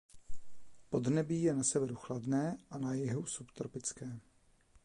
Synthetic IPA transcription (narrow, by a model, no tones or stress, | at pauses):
po̞d̪nɛbiːjɛnasɛvɛɾuxladnɛːʔanajɛɦusupt̪ɾopɪt͡skɛː